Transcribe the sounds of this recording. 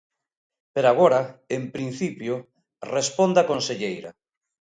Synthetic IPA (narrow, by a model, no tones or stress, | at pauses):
peɾaɣ̞oɾaempɾin̟θipjʊ | respond̪akonseʎejɾɐ̰